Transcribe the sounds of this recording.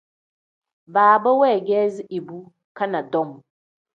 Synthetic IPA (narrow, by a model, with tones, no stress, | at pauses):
baː˨ba˦wɛ˦˨ɡɛː˦zɪ˦ʔi˨bu˦ | ka˦na˨dɔ˦˨m˨